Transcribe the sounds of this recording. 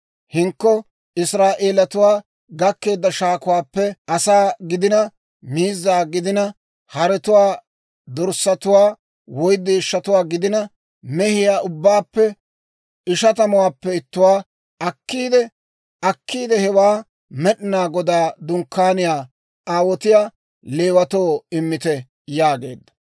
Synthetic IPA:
hɪŋkːɔ | ɪsɾaːʔe̞ːlɐt̪ʊwaː | ɡɐkːe̞ːd̪ːɐʃaːkʊwaːpːɛʔɐsaːɡɪd̪ɪnɐ | miːzːaːɡɪd̪ɪnɐ | hɐɾɛt̪ʊwaː | d̪ɔɾsːɐt̪ʊwaː | wɔjd̪ːɪːʃːɐt̪ʊwaːɡɪd̪ɪnɐ | mɛhɪjaːʊbːaːpːɛ | ɪʃɐt̪ɐmʊwaːpːɛɪt̪ːʊwaː | ɐkːiːd̪ɛ | ɐkʰːiːd̪ɛhɛwaː | mɛɗnaːɡɔd̪aːd̪ʊŋkːaːnɪjaː | aːwɔt̪ɪjaː | leːwɐt̪o̞ːɪmːɪt̪ɛ | jaːɡe̞̰ːd̪ːɐ̥

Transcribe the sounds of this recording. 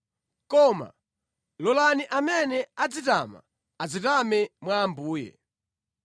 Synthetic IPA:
kɔːma̰ | lɔlaniʔamɛnɛad͡zita̰ma̰ | ad͡zitamɛmwaːmbuːjɛ̰

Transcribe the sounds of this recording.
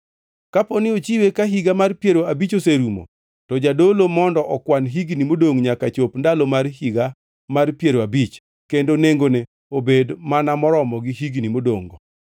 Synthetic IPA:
kapɔnɪot͡ʃiwekaɦiɡamarpjeɾoabit͡ʃoseɾumo̰ | tɔd͡ʒadolomɔndɔʔɔkwanɦiɡnimodoŋɲakat͡ʃopndalomarhiɡa | marpjeɾoabit͡ʃ | kendoneŋɡone | obedmanamɔɾɔmɔɡiɦiɡnimodo̰ŋɡɔ

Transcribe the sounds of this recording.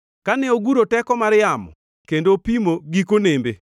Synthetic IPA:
kanɛoɡuɾotɛkɔmaɾjamɔ̰ | kendopimoɡikonembe

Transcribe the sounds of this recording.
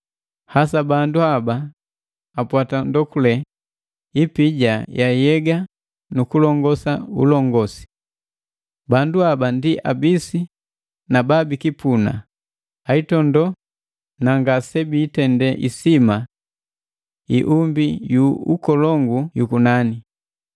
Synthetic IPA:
hasabanduabaː | pwatandɔkulɛ | ipiɟajajɛɡa | nukulɔŋɡɔsaṵlɔŋɡɔsi̥ | banduabandiʔa̰bisi | nababikipuna̰ | aitɔndɔ | naŋɡasɛbiːtɛndɛʔḭsima | iʔumbijuukɔlɔŋɡujukunani

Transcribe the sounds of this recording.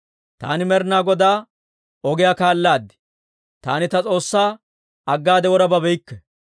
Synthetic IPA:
t̪a̰ːnɪmɛɾnaːɡɔd̪aː | ɔɡɪjaːkaːlːaːd̪ːɪ̥ | t̪aːnɪt̪ɐt͡sʼo̞ːsːaː | ɐɡːaːd̪ɛwɔɾɐbɐbɛjɪkːɛ

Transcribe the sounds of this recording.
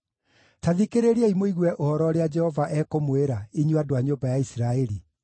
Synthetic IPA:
taðikeɾeɾiɛimoiɣwɛʔohɔɾɔɾead͡ʒɛhɔvaʔɛkomweɾaiɲuadoaɲobajaisiɾaɛɾi

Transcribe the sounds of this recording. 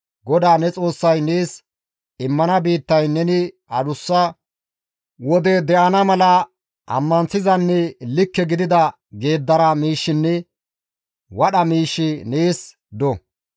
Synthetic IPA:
ɡɔd̪aːnɛt͡sʼo̞ːsːɐjneːs | ɪmːɐnɐbiːt̪ːɐjnɛnɪ | ɐd̪ʊsːɐ | wɔd̪ɛd̪ɛʔɐnɐmɐlɐ | ɐ̰mːɐnsɪzɐnːɛlɪkːɛɡɪd̪ɪd̪ɐ | ɡe̞ːd̪ːɐɾɐmiːʃːɪnːɛ | wɐɗɐmiːʃːɪneːs | d̪ɔ

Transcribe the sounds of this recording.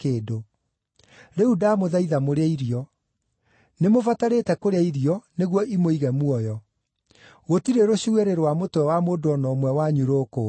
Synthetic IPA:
keːdo | ɾeudaːmoðaiðamoɾeaiɾiɔ | nemofataɾetɛkoɾeaiɾiɔneɣwɔʔimoiɣɛmwɔjɔ | ɣotiɾeɾoɕiweɾeɾowamotwɛwamoːdoɔnɔmwɛwaɲuɾoko

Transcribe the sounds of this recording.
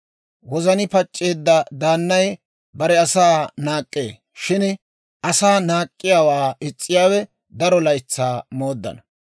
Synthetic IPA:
wɔzɐnɪpɐt͡ʃʼːe̞ːd̪ːɐd̪aːnːɐj | bɐɾɛɐsaːnaːkʼːe̞̰ː | ʃɪn | ʔɐsaːnaːkʼːɪjaːwaːɪt͡sʼːɪjaːwɛ | d̪ɐɾɔlɐjɪt͡sːaːmo̞ːd̪ːɐ̰nɐ

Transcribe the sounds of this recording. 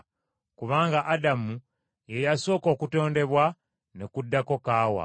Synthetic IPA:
kuβaːŋɡaʔadamu | jejaso̞ːko̞ːkuto̞ːnde̞βwa | nekudːako̞kaːwa̰

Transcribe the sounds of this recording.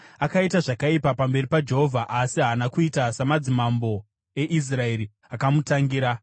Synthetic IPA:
akaitaʐakaipapambe̞ripad͡ʒe̞ɦovʱaʔːsiɦaːnakuitasamad͡zimambo̞ | e̞ʔis̬rae̞ɾi | akamutaŋɡiːɾa

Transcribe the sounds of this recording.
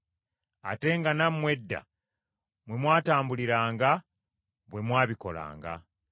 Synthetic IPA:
a̰te̞ŋɡanammwe̞dːa̰ | mwe̞mwaːtaːmbuliɾaːŋɡa | βwe̞mwaːβiko̞̰la̰ːŋɡa̰

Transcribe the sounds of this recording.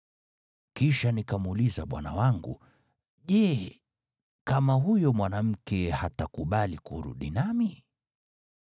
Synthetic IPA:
kiʃanikamulizaɓwa̰na̰waŋɡṵ | ʄɛ | kamaɦujɔmwanam̩kɛhatakuɓalikuɾṵɗinami

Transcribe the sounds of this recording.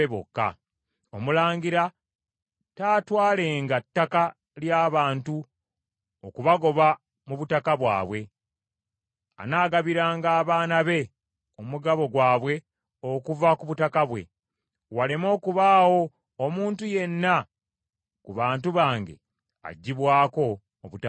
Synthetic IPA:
eβo̰kːa̰ | o̞mulaːŋɡiɾa | taːtwaːle̞ːŋɡatːaka | ljaːβaːntu | okuβaɡo̞βa | muβutakaβwa̰ːβwe̞ | a̰naːɡaβiɾaːŋɡaːβaːnaβe̞ | omuɡaβo̞ɡwaːβwe̞ | o̞kuvakuβutakaβwe̞̰ | walemo̞ːkuβaːwo̞ː | muːntuje̞nːa | kuβaːntuβaːŋɡe̞̰ | a̰ɟːiβwaːko̞ː | βuta

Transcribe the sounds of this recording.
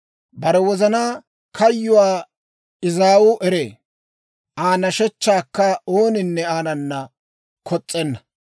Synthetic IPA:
bɐɾɛwɔzɐnaː | kʰɐjːʊwaː | ɪzaːwʊʔɛɾeː | ʔaːnɐʃɛt͡ʃːaːkːɐoːnɪnːɛaːnɐnːɐ | kʰɔt͡sʼːɛnːɐ

